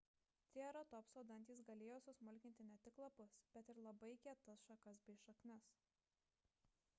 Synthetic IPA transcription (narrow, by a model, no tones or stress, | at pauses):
t̪ʲeɛɾot̪ɔpsoːd̪ɐnʲt̪ʲiːˑsɡɐlʲeːjoːsʊsmʊlʲkʲɪnt̪ʲɪnʲɛt̪ʲɪklˠɐpʊsb̥ʲɛt̪ɪɾlˠɐbɐɪkʲɛt̪ɐsʃɐkɐsbʲɛɪʃɐknʲɛs